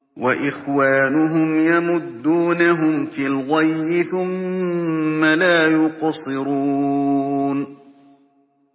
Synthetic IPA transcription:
waʔɪxwaːnʊɦʊmjamʊd̪ːuːnaɦʊmfilɣajːɪθʊmː | alaːjʊqɑsˤɨɾuːuːn

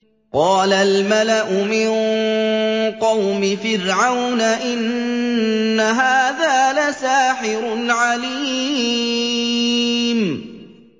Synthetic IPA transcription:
qɑːlalmalaʔʊmɪn | qɑwmɪfɪɾʕawnaʔɪnː | aɦaːðaːlasaːħɪɾʊlʕaliː | m

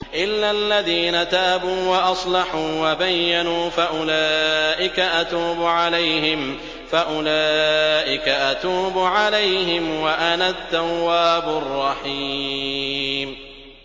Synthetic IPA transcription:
ʔɪlːalːaðiːnat̪aːbuːwɑʔɑsˤlɑħuːwabajːanuːfaʔʊlaːʔɪkaʔat̪uːbʊʕalajɦɪm | faʔʊlaːʔɪkaʔat̪uːbʊʕalajɦɪmwaʔanad̪ːawːaːbʊrˤːɑħi | m

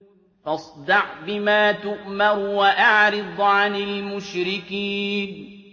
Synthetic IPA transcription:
ʔɑsˤd̪ɑʕbɪmaːt̪ʊʔmɑɾwaʔaʕɾɪd̪ˤʕanɪlmʊʃɾɪkiːn

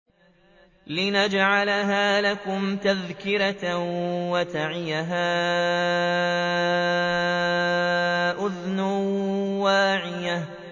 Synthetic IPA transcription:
lɪnad͡ʒʕalɦaːlakʊmt̪aðkɪɾa | wat̪aʕɪjaɦaː | ʔʊðnʊwaːʕɪja

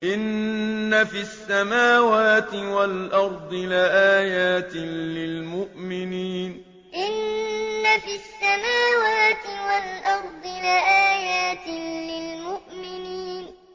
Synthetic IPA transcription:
ʔɪnːafisːamaːwaːt̪ɪwalʔɑɾˤd̪ˤɨlaʔaːjaːt̪ɪlɪlmʊʔmɪniːn | ʔɪnːafisːamaːwaːt̪ɪwalʔɑɾˤd̪ˤɨlaʔaːjaːt̪ɪlɪlmʊʔmɪniːn

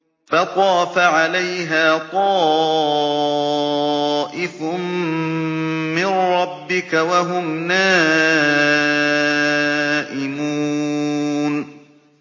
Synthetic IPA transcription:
fɑt̪ˤɑːfaʕalajɦaːt̪ˤɑː | ʔɪfʊ | mɪnɾɑbːɪkawaɦʊmnaː | ʔɪmuː | n

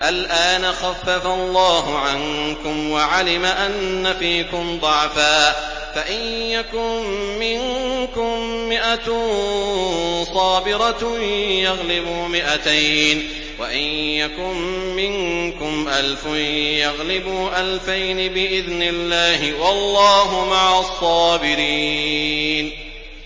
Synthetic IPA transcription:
ʔalʔaːnaxafːafalˤːɑːhʊʕankʊmwaʕalɪmaʔanːafiːkʊmd̪ˤɑʕfaː | faʔɪnjakʊmmɪŋkʊmmɪʔat̪ | sˤɑːbɪɾˤɑjɑɣlɪbuːmɪʔat̪ajn | waʔɪnjakʊmːɪŋkʊmʔalfʊjɑɣlɪbuːʔalfajnɪbɪʔɪðnɪlːaːhɪwɑlːɑːɦʊmaʕasˤːɑːbɪɾi | n

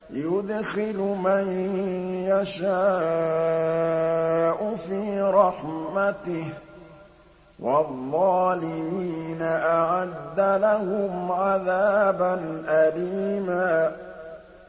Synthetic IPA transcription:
jʊd̪xɪlmanjaʃaː | ʔʊfiːɾˤɑħmat̪ɪh | wɑðˤːɑːlɪmiːnaʔaʕad̪ːalahʊmʕaðaːbanʔaliːmaː

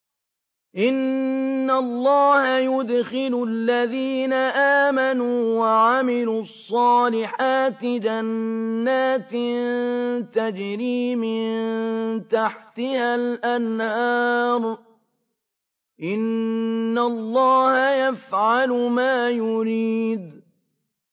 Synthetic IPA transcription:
ʔɪnːalˤːɑːhajʊd̪xɪlʊlːaðiːnaʔaːmanuːwaʕamɪluɑsˤːɑːlɪħaːt̪ɪd͡ʒanːaːt̪ɪ | t̪ad͡ʒɾiːmɪnnnt̪aħt̪ɪhalʔanhɑːɾˤ | ʔɪnː | alˤːɑːhajafʕalmaːjʊɾiːd̪

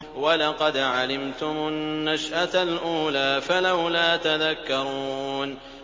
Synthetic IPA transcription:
walɑqɑd̪ʕalɪmt̪ʊmʊnːaʃʔat̪alʔuːlaːfalawlaːt̪aðakːɑɾˤuːn

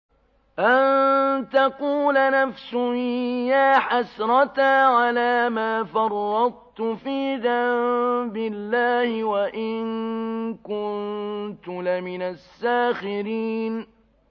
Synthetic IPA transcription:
ʔant̪ɑquːlanafsʊjaːħasɾˤɑt̪aʕalaːmaːfɑrˤːɑd̪̚ˤt̪ʊfiːðambɪlːaːhɪwaʔɪnkʊnt̪ʊlɪmɪnasːaːxɪɾiːn

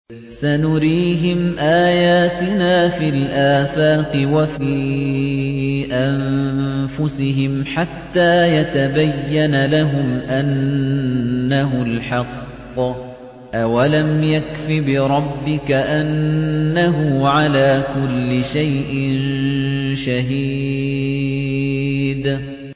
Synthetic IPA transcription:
sanʊɾiːɦɪmʔaːjaːt̪ɪnaːfiːlʔaːθaːqɨwafiː | ʔanfʊsɪɦɪmħat̪ːaːjat̪abajːanalaɦʊmʔanː | aɦʊlħɑqː | ʔawalamjakfibɪɾˤɑbːɪkaʔanːaɦʊʕalaːkʊlːɪʃajʔɪn | ʃaɦiː | d̪

